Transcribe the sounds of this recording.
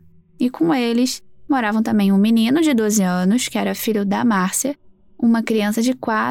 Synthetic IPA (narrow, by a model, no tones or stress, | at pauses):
ɪkõw̃elɪsmoɾavɐ̃w̃t̪ɐ̃mbẽj̃ũminĩnʊd͡ʒɪd̪ozɪɐ̃nʊskɪɛɾɐfiʎʊd̪ɐmaɾsiɐ | ũmɐkɾiɐ̃sɐd͡ʒɪkwa